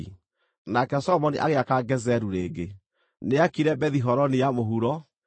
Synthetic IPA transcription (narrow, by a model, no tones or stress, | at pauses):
nakɛsɔmɔniʔa̰ɣeakaɡɛzɛɾuɾeːɡe | neakiɾɛbɛðiɦɔɾɔnijamoɦuɾɔ